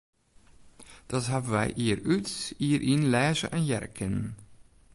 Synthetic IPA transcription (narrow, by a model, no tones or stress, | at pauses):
d̥ɑtɦabəʋɛ̰jʔiːəɾytiːəɾʔinlɛːzə̰ʔɛnjɛrkʰən